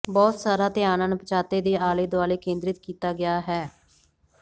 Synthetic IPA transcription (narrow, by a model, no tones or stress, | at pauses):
bɔːt̪saːɾaːt̪ɪjaːnãːnpət͡ʃaːt̪eːd̪eːaːleːd̪ʊʋaːleːkẽːnd̪ɾɪt̪kiːt̪aːɡɪjaːɦɛː